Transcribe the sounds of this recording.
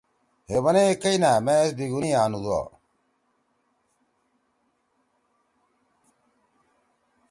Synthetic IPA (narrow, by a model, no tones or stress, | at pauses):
hebɐneekɐinameesd̪iɡuniaːnud̪ua̰